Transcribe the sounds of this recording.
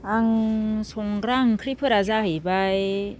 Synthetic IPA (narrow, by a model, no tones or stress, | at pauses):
aŋsɔŋɡɾaŋkʰɾipʰɯɾazahɯjbaj